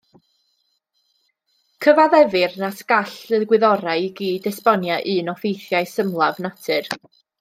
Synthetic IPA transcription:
kʰəvaðɛvɪrnasɡaɬɨðɡwɪðɔɾajɡiːdɛspɔnjaʔɨːnɔfejθjaɨsəmlˠavnatʰɨr

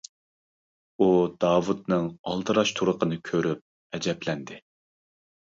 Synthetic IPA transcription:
ud̪ɑːwut̪̚nɨŋɑ̰lˠt̪ɨɾɑʃt̪ʰuɾəqənɨkʲʰøɾyp̚ | ɛd͡ʒɛplɛnd̪ɪ

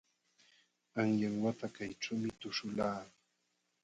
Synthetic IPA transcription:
aŋjaŋwat̪akajʈ͡ʂawmɪt̪ʊʃʊlaː

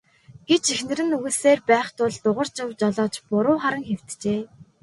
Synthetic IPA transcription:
ɡ̥et͡ɕexnɘ̆ɾɘ̆nɵɣɘ̆seːrpæːχt̪ʊɮt̪ʊʁə̆r̥t͡ɕɪ̆wt͡ɕɔɮɔːt͡ɕpʊɾʊːχaɾə̆ŋxew̥t̪t͡ɕeː

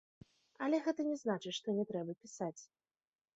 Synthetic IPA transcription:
ɐlʲɛɣɛt̪ɐnʲɛznat͡ʂɨt͡sʲʂt̪ɔnʲɛt̪ɾɛbɐpʲisat͡sʲ

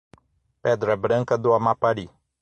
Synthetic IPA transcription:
pɛd̪ɾɐbɾɐ̃ŋkɐd̪ʊamapaɾi

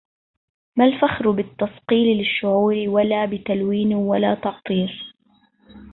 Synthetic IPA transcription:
malfaxɾbɪt̪ːɑsqiːllɪʃːʊʕuːɾɪwalaːbɪt̪alwiːnwalaːt̪ɑʕt̪ˤiːɾ

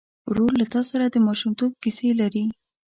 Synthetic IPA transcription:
ɾolːat̪ɑsaɾad̪əmɑʃumt̪ob̚kiselaɾi

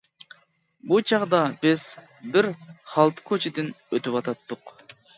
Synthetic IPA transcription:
but͡ʃʰɑʁd̪ɑbɪz̥ | bɪɾχɑlˠt̪ʰɨ̥kʲʰøt͡ʃʰɪd̪ɪn | øt̪ypɑt̪ʰɑt̪ːʊq

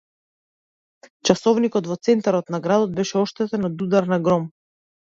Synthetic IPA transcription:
t͡ʃasɔvnikɔt̪vɔt̪sɛnt̪aɾɔt̪naɡɾad̪ɔd̪̚bɛʃɛɔʃt̪ɛt̪ɛnɔd̪ud̪aɾnaɡɾɔm

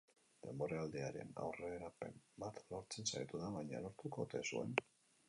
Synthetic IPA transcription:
d̪e̞mbo̞ɾaald̪eaɾe̞̰na̰wreɾape̞mbat̪lo̞ɾt͡se̞nsaɾet̪uðaβajɲa̰lo̞ɾt̪uko̞t̪e̞sue̞̰n

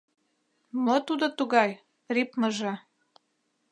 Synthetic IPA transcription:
mot̪ud̪ot̪uɣɑj | ripmə̆ʒɤ

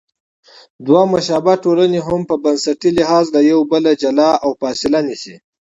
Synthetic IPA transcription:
d̪wamaʃaːbaʈolaneɦʊmpəbɐnsaʈiliɦɑzlajawbəlad͡ʒalɑawfɑsɪlanisḭ

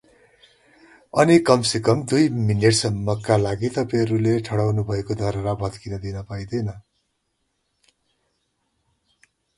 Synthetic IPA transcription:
ʌnikʌmsikʌmd̪ujmineʈsʌmːʌkalaɡit̪ʌpajʌɾuleʈʰʌɽawnubʱʌekod̪ʱʌɾʌɾabʱʌt̪kinʌd̪inʌpaĩd̪ʌjnʌ

